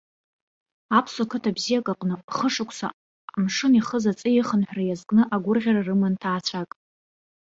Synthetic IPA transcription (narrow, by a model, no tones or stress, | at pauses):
apʰsokʰɨtʰabzijakʼaqʼnɨχəʂɨkʷʰsa̰ | mʂɨniχəzat͡sʼɨjɪχənħʷrajazkʼnɨʔaɡʷʊrʁʲaɾarɨmɨntʰaːt͡ɕʷʰakʼ